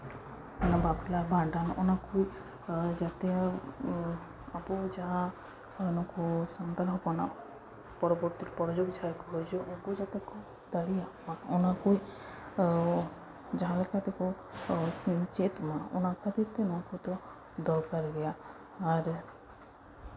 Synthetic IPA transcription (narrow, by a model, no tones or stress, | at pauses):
ɔnabablabʱãɳɖanʔɔnakuj | d͡ʒat̪ɛ | abɔd͡ʒaɦã | nɔkɔsɔnd̪aɾɦɔkɔna | pɔɾɔbɔɾt̪iɾɔpɔɾɔd͡ʒoɡd͡ʒʱaɾkɔɦɔjd͡ʒɔʔɔ̃kud͡ʒat̪ekɔ | d̪aɽiamaɔnakuj | d͡ʒaɦãlɛkat̪ɛkɔ | t͡ʃet̪maɔ̰nakad̪it̪ɛnɔkɔt̪ɔ | d̪ɔɾkaɾɾɛjaː | ɾ